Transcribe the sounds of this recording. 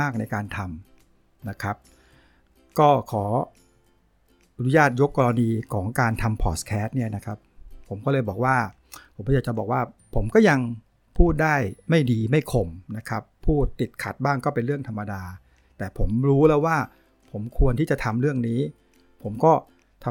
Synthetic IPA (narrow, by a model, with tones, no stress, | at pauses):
aː˥˩k̚na˧jkaː˧nt̪ʰa˧m | na˦˥kʰa˦˥p̚ | kɔː˥˩kʰɔː˩˦ | ɾuː˦˥jaː˥˩t̪̚jo˦˥kːɔː˧ɾa˧niː˧kʰɔː˩˦ŋkaː˧nt̪ʰa˧mpʰɔː˨˩skʰɛː˦˥t̪̚ni˥˩ɐna˦˥kʰa˦˥p̚ʰːo˩˦mkɔː˥˩lɤː˧jbɔː˨˩k̚waː˥˩ | pʰo˩˦kɔ˥˩jaː˨˩t͡ɕa˨bɔː˨˩k̚waː˥˩pʰo˩˦mkɔː˥˩ja˧ŋ | pʰuː˥˩t̪̚daː˥˩jma˥˩jdiː˧ma˥˩jkʰo˧˩mna˦˥kʰa˦˥pʰːuː˥˩t̪ːi˨˩t̪̚kʰa˨˩t̪̚baː˥˩ŋkɔː˥˩pe˧nɾɯ˥˩əŋt̪ʰa˧mːa˧daː˧ | t̪ɛː˨˩pʰo˩˦mɾuː˦˥lɛː˦˥waː˥˩ | pʰo˩˦mkʰu˧ənt̪ʰiː˥˩t͡ɕa˨˩t̪ʰa˧mɾɯ˥˩əŋniː˦˥ | pʰo˩˦mkɔː˥˩ | t̪ʰ